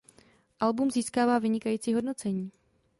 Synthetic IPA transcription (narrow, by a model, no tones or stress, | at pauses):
ʔalbumziːskaːvaːvɪɲɪkajiːt͡siːɦo̞dno̞t͡sɛɲiː